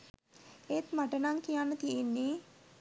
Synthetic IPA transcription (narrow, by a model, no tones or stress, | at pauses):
et̪maʈənaŋkijanːət̪ienːe